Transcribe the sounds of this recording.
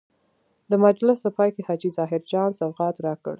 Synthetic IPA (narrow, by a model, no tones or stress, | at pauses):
d̪əmad͡ʒlɪspəpɑjkehɑd͡ʒizɑɦɪɾd͡ʒɑnsawɣɑt̪ɾɑkə̰ɽ